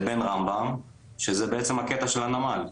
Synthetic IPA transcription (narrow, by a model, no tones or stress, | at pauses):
be̞nʁambam | ʃezebeet͡semhaket̪aʃelhanamal